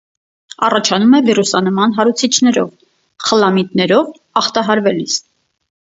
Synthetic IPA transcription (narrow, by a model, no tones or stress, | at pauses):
ɑ̰rɑt͡ʃʰɑnumɛvirusɑnəmɑnɦɑɾut͡sʰit͡ʃʰnɛɾɔv | χəlɑmit̪nɛɾɔv | ɑχt̪ɑɦɑɾvɛlis